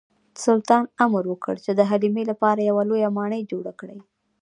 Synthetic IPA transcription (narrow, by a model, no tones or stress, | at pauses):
sʊlt̪ɑnamɾwəkə̰ɽt͡ʃed̪əɦalimelapɑɾajawalojamɑɳəjd͡ʒoɽakɽaj